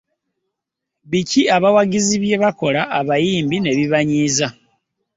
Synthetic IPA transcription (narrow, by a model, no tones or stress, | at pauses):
βiciaβawaɡiziβje̞βako̞laʔːβajiːmbine̞βiβaɲiːza